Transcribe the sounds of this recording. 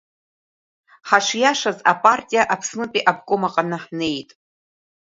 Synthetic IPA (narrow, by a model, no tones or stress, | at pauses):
ħaʂjaʂazapʼartʲʼijaʔapʰsnɨpʼiʔabɡʼomaqʼanɨħne̞jtʼ